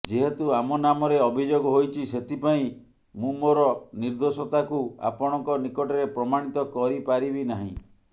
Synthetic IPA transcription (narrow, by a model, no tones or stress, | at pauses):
d͡ʒiɦet̪uamɔnamɔɾeɔbʱid͡ʒoɡɔɦojt͡ʃʰiset̪ʰipaĩ | mũmoɾɔniɾd̪osɔt̪akua̰pɔɽ̃ɔŋkɔnikɔʈɔɾepɾɔmaɽ̃it̪ɔkɔɾipaɾibinaɦḭ̃